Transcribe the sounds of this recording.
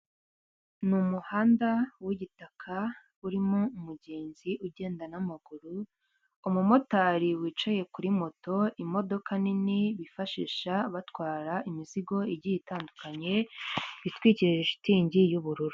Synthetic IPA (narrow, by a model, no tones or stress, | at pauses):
numuhaːndawiɟitakʰa | uɾimoumuɟeːnziʔuɟe̞ːndanamaɡ̥uɾu | umumo̞taːɾiwiːt͡ʃaje̞kuɾimo̞to̞imo̞do̞kaniniβifaʃḭːʃaβatwaːɾaʔimiziɡo̞iɟijitaːndukaɲe̞βitwiːciɾʒeʃi̥tiːɲɟijuβuɾuɾu